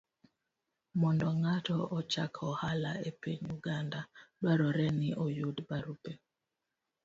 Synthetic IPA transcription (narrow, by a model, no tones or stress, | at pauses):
mɔndɔŋatɔɔt͡ʃakʰɔhala̰epiɲuɡandadwaɾɔɾɛnɪʔɔjudbaɾupe